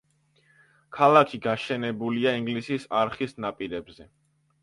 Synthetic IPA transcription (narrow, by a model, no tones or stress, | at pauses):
kʰalˠakʰiɡaʃɛnɛbuliaiŋɡlisisaɾχisnapʼiɾɛbzɛ